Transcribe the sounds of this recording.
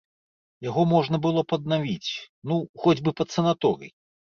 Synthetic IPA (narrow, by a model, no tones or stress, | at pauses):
jaɣɔmɔʐnɐbɨlˠɔpɐd̪̚navʲit͡sʲ | nuxɔd͡zʲbɨpɐt̪sɐnat̪ɔɾɨ̰j